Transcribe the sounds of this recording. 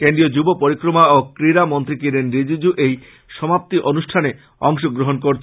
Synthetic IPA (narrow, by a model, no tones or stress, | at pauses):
kenɖiod͡ʑubopoɾikɾomaokɾiɾamont̪ɾikiɾenɾid͡ʑid͡ʑuʔej | ʃɔmap̚t̪iʔonuʃʈʰane | ɔŋʃoɡɾoɦonkoɾt͡ɕʰ